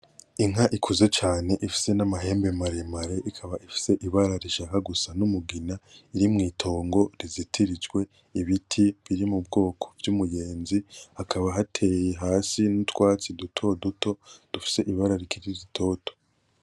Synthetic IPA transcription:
iŋ̥aʔikʰuze̞t͡ʃaːne̞ʔifi̥se̞namaɦe̞ːmbe̞maɾe̞maɾe̞ʔikʰaβaʔifi̥se̞ʔiβaɾaɾiʃakaɡusanumuɡinaiɾimŋiːtʰo̞ːŋɡo̞ɾizitʰiɾid͡ʒɡwe̞ | iβitʰiβiɾimub̚ɡo̞ːkʰo̥vjumuje̞ːnzihakʰaβaɦatʰe̞jeɦaːsinutwaːt͡sidutʰo̞duto̞d̥ufi̥se̞ʔiβaɾaɾikʰiɾizitʰo̞ːto̥

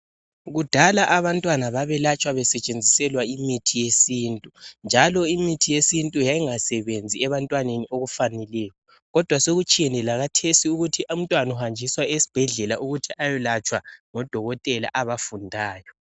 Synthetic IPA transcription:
ɣud̥ʱalaʔaβantʼwanaβaβɛlat͡ʃʼwaβɛsɛt͡ʃʼend͡zʱisɛlwaimitʰijesiːntʼund͡ʒʱalɔimitʰijesintʼujajiŋasɛβend͡zʱiɛβantʼwanenioɣufanɛlɛːjɔ | ɣɔd̥ʱwasoɣut͡ʃʼijɛnɛlaɣatʰesiuɣutʰiʔum̩tʼwanuhand͡ʒʱiswaesi̥b̥ʱɛɮɛlaʔuɣutʰiʔajɛlat͡ʃʼwaŋɔd̥ʱɔɣɔtʼɛla̰ʔaβafundʱaːjɔ

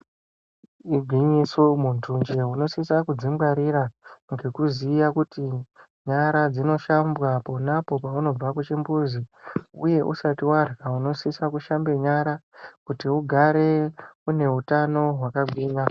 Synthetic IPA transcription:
iɡʱwiɲisomuntund͡ʒeuno̞sisakud͡zimɡaɾiɾaŋɡe̞kuzijakuti | ɲaɾad͡zino̞ʃambwapo̞napo̞pauno̞b͡vakut͡ʃimbuziuje̞ʔṵsatiwarɡauno̞sisakuʃambe̞ɲaɾakutiuɡʱaɾe̞une̞ɦutano̞ɦwakaɡʱwiːmɡa

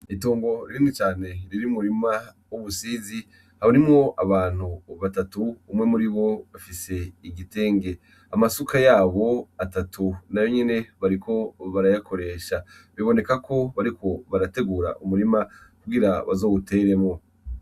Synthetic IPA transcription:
ituːŋɡo̞ɾiɾiːnit͡ʃaːne̞ɾiɾiumuɾima | uβusiːzi | haβoɾimŋo̞ʔaβaːn̥huβatatuːmŋe̞muɾiβo̞βafise̞iɡite̞ːŋɡe̞ | amasukʰajaːβo̞atatʰunajo̞ɲene̞βaɾikʰo̞βaɾajakʰo̞ɾe̞ːʃaβiβo̞ne̞kakʰo̞βaɾikʰo̞βaɾate̞ɡuːɾa̰ʔumuɾimakuɡiɾaβazo̞ːute̞ːɾe̞mŋo̞

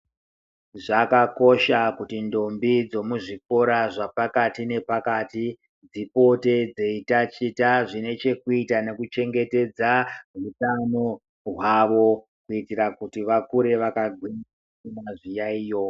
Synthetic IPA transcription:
ʐakako̞ʃakutindo̞mbid͡zo̞muʐik̚o̞ɾaʐapakatine̞pakati | d͡zipo̞te̞d͡ze̞itat͡ʃitaʐine̞t͡ʃe̞kuitane̞kut͡ʃe̞ŋɡe̞te̞d͡zaɦutano | ɦwaʋo̞ | kuitiɾakutiʋakuɾe̞ʋakaɡʱwina | imaʐijaiːjo̞

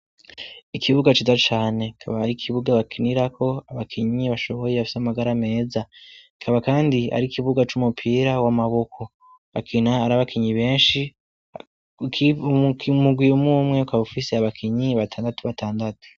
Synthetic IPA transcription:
ikʰiβuɡat͡ʃizat͡ʃaːne̞kʰaβahaɾikʰiβuɡaβakʰiniɾakʰo̞aβakʰiɲiβaʃo̞βo̞jeβafi̥samaɡaɾame̞ːzaikʰaβakaːndia̰ɾikiβuɡat͡ʃumupʰiːɾawamaβo̞kʰo̞ | βakʰinaːɾaβakʰiɲiβe̞ːnʃi | muɡwiumumŋeukaufiseaβakʰiɲiβatʰaːndatuβatʰaːndatu̥

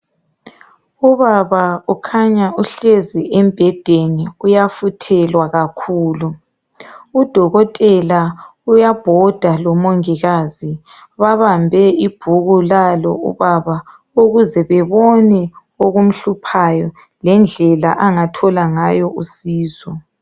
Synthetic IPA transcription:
uβaβaukʰaɲauɬɛzɛʔɛmb̥ʱɛd̥ʱeniujafutʰɛlwaɣakʰuːlu | ud̥ʱɔɣɔtʼɛlaujab̥ʱɔd̥ʱalɔmoŋiɣazi | βaβambʱɛib̥ʱuɣulalɔ̰ṵβaβa | uɣuzɛβɛβɔnɛ | oɣum̩ɬupʰajɔ | lɛnd͡ɮʱɛla̰ʔaŋatʰɔlaŋajɔʔusiːzɔ

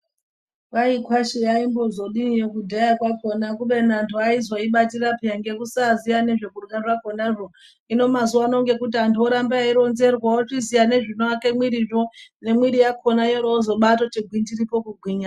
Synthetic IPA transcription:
waikwaʃijaimbo̞zo̞ɗinijo̞kudʱajakwako̞nakuɓe̞nantʰuaizoiɓatirapijaŋɡe̞kusazijane̞ʐe̞kurɡaʐako̞naʐo̞ | ino̞mazuano̞ŋɡe̞kut̬iantʰuoɾambaaiɾo̞nze̞rwaot͡ʂizijane̞ʐinoake̞mwiɾiʐone̞mwiɾijakʰonajoɾoːzo̞ɓato̞t͡ʃiɡʱwindiripo̞kuɡʱwiɲa

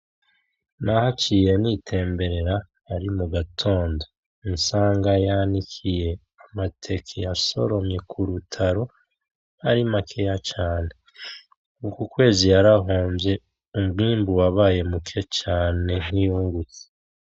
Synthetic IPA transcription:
nahat͡ʃije̞nitʰe̞ːmbe̞ɾe̞ɾa | aɾimuɡatʰo̞ːndo | insaːŋɡajanikʰije̞ | amatʰe̞kʰijaso̞̰ɾo̞mɲe̞kʰuɾutʰaɾo̞ | haɾimakʰejat͡ʃaːne̞ | ukukwe̞ːzijaɾaɦoːmvje̞ | umɡiːmbuwaβaːje̞mukʰe̞t͡ʃaːne̞nijuːŋɡut͡si̥

